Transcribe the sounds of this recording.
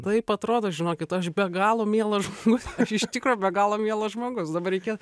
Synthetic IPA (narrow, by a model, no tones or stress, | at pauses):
t̪ɐɪpɐt̪ɾoːd̪oːʒʲɪnoːkʲɪt̪ɐʃbʲɛɡɑːlˠomʲiɛlˠɐʒmoːɡʊsɐʃɪʃʲt̪ʲɪkɾujʊbʲɛɡɑːlˠoːmʲiɛlˠɐʒmoːɡʊsd̪ɐbɐrʲɾʲɛɪkʲeɛt̪